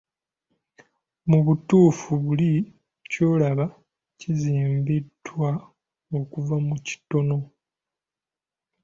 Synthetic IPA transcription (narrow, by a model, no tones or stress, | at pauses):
muβutuːfuβuli | co̞ːlaβa | ciziːmbidːwa | o̞kuvamuci̥to̞no̞